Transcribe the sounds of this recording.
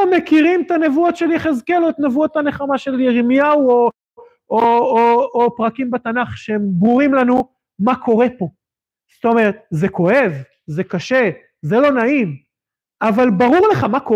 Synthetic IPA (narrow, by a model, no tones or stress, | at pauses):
mekiʁimt̪anevuot̪ʃeliχezkelot̪nevuot̪ane̞χamaʃe̞ljeʁimjawo | ooopʁakimbet̪anaχʃehembʁuʁimlanu | makʰo̞ʁe̞po̞ | st̪o̞me̞ʁet̪̚zeko̞he̞v | zekaʃe̞ | zelo̞naim | avalbaʁuʁle̞χamako